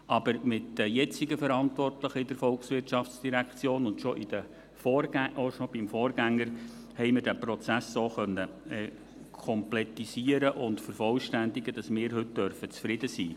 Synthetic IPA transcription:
ʔɑb̥əɾmɪtdəjɛt͡sɪɡəfəɾɑntʋɔrtləχɪdəɾfɔlksʋɪrtʃɑft͡sd̥iɾækt͡sjoːnʊntʃɔʔɪd̥ə | fɔːɾæʔoʃobɪmfɔːɾɡæŋːəɾ | hɛɪmɪɾdæpɾɔt͡sæsːoːχœnːəɛ | kʰɔmplɛtisiəɾəʔʊndfəɾfɔlʃtænd̪ɪɡəd̥ɑsmɪːɾɦɵt̚d̥œrfət͡sfɾɪdəsḭː

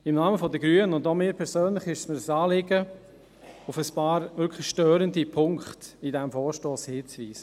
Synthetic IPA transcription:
ɪmnɑːməfɔdəɡɾyənəʊndomɪːpʰɛɾsøːnlɪχɪʃsmədəsɑːlɪɡə | ufəspɑːɾʋʏɾkʰlɪʃtøːɾəndipʰʊŋkχtidɛmfɔːɾʃtoːshɪːt͡sʋiːsə

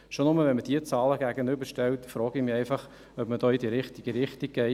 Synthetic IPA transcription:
ʃonʊməʋɛnməd̥iət͡sɑːləɡ̥æɡənybəɾʃtɛltfɾɔːɡɪmiɛɪfɑχ | œbməd̥ɔːidiɾɪχtɪɡ̥əɾɪχtik̚ɡɛɪ

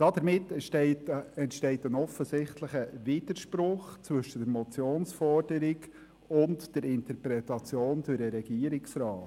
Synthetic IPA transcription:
d̥ɑd̥̪əɾmɪtːtɛɪtɛntʃtɛɪtənɔfəsɪχtləχəʋɪd̥əɾʃpɾʊχt͡sʋɵʃəd̥əɾmɔt͡sjoːnsfɔrd̥əɾɪɡ | ʊntd̥ɛɾɪntəɾpɾɛtɑt͡sjoːndøɾəɾɛɡ̥iːəɾɪksɾɑːt

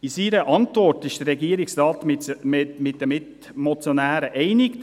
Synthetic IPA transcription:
isiːɾəʔɑntvɔrtɪʃd̥ərːɛɡiːɾɪksɾɑːtmɪmɪt̚dəmɪt | mɔt͡sjonæːɾəʔɛɪnɪk

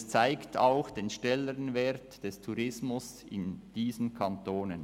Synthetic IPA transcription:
st͡saɪktʰa̰ʊxd̥eːnʃnɛləɾənvɛɾtd̥ɛstʰuɾɪsmʊs | ɪ̰nd̥iːzn̩kʰɑntoːnən

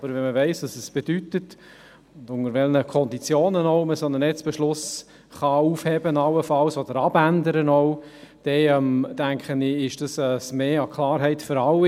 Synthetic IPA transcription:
b̥əɾvɛnməvɛɪsʋɑsɛsb̥ed̥ytət | ʊndʊŋəɾvɛlnəkʰɔnd̪it͡sjoːnənɔʊməsonənɛt͡sb̥ɛʃlʊs | χɑuːfhɛbənɑlːəfɑlsod̥əɾɑbændəɾənɔʊd̥ɛɛmd̥æŋkχənɪɪʃd̥ɑsɛsmeːɑkʰlɑːɾɦɛɪtføɾɑli

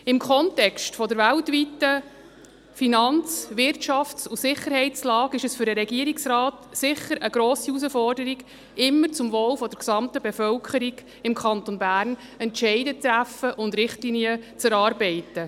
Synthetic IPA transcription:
ɪmkʰɔntɛkstfɔdəɾvæltvitːə | finɑnt͡sʋɪɾtʃɑft͡susɪχːəɾhɛɪt͡slɑːɡɪʃəsfʏɾdəɾɛɡiəɾiksɾɑːt̪sɪχəɾəɡɾoːsius̬əfɔrdəɾiɡ | ɪmːəɾt͡sʊmvoːlfɔd̥əɾksɑmt̪əbɛfœlkʰχəɾiɡ | ɪmkʰχɑnt̪onbæːɾn | ɛntʃɛɪdət̪ɾæfəʔʊnd̪ɾɪχtliniət͡sæɾɑːɾbɛɪtːə

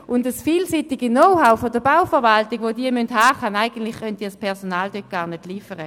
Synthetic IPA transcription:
ʔʊndəsfiːlsiːtɪɡinɔʊhaʊfodəb̥aʊfəɐvaltiɡʋodiːɐmynthaːχanaɪɡ̥ən̩tlɪχχœnt̚diːɐspʰɛʁsonaːldøt̚ɡ̥aːʁnedliːfəʁə

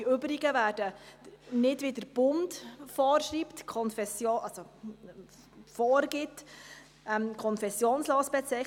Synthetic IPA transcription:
iʏbɾɪɡəʋæːɾd̥ə | nɪdʋɪdəɾb̥ʊndfɔːɾʃriːptkʰɔnfɛsjoːʔɑso | fɔːɾɡ̥ɪt | ɛmkʰɔnfɛsjoːnsloːsb̥ɛt͡sɛ

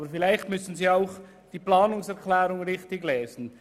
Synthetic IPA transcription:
bəɾfɪlaɪçtmʏsn̩ziːaʊχ | d̥iːplaːnʊŋsɛɾkʰlɛːɾʊŋʁɪχtɪɡleːzən̩

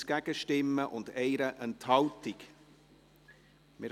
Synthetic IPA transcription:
ɡ̥æɡ̥əʃtɪmːəʔʊndɛɪɾəʔənthɑʊtɪk | mɪɾ

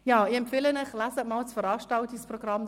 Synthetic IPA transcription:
jaːɪɛmpfɪlənɪχlazət̚maːlt͡sfəɾɑːʃtɑltisproɡ̥rɑm

